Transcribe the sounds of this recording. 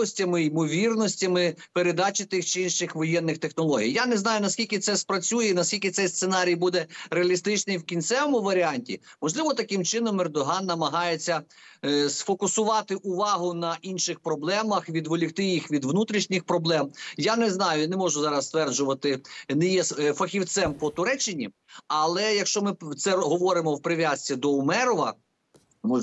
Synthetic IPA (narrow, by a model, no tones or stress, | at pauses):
ɔsʲtʲɐmɪimɔʋʲirnɔsʲtʲɐmɪpeɾed̪ɑt͡ʃɪt̪ɪxt͡ʃɪinʃɪxʋɔjɛnːɪxt̪exnɔlˠɔɦʲḭjjanɛznɑjʊnɐskʲilʲkʲɪt̪sɛspɾɐt͡sʲujɛinɐskʲilʲkʲɪt̪sɛjst̪senɑɾʲijbud̪ɛɾeɐlʲist̪ɪt͡ʃnɪjwkʲinʲt̪sɛʋɔmʊʋɐɾʲɪɑnʲtʲḭmɔʒlˠɪʋɔt̪ɐkɪmt͡ʃɪnɔmɛrd̪ɔɦɑnːɐmɐɦɑjet͡sʲːɐ | sfɔkʊsʊʋɑt̪ɪʔʊʋɑɦʊnɐʔinʃɪxpɾɔblˠɛmɐxʋʲid̪ʋɔlʲikt̪ɪjixʋʲid̪ʋnut̪ɾʲiʃnʲɪxpɾɔblˠɛmjanɛznɑjʊnɛmɔʒʊzɑɾɐst̪ʋɛrd͡ʒʊʋɐt̪ɪnɛjɛsfɐxʲiwt̪sɛmpɔt̪ʊɾɛt͡ʃːɪnʲi | ɐlˠɛjɐkʃt͡ʃɔmɪt̪sɛɦɔʋɔɾɪmɔwpɾɪʋʲjasʲt͡sʲid̪ɔʊmɛɾɔʋɐ